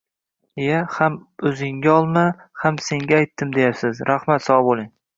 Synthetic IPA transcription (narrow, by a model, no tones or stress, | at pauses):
jahamɵzɪŋɡʲaɒlˠma | hamse̞ŋɡʲaajt̪ʰːɪmd̪e̞japsɪzɾʔahmat̪sɒwbolˠɪŋ